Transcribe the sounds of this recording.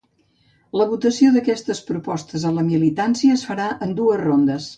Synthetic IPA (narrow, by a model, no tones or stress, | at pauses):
ləβut̪əsioðəkɛst̪əspɾupɔst̪əzələmilit̪ansiəːsfəɾaʔənd̪uəzrond̪əs